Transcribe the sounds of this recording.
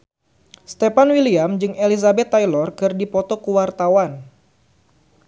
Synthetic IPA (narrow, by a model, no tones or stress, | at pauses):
st̪epanwiliamd͡ʒɨŋelizabɛt̪ːajlɔrkɨrdipɔt̪ɔkuwart̪awan